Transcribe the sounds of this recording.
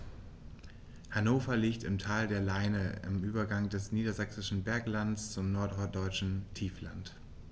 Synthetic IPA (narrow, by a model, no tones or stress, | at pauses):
hanoːfɐliːktɪmtʰaːldeːɐlaɪnəɪ̰mʔyːbɐɡaŋdɛsniːdɐzɛksɪʃn̩bɛɐklandst͡sʊmnɔɐtɔɐt̚d̥ɔʏt͡ʃn̩tʰiːfla̰nt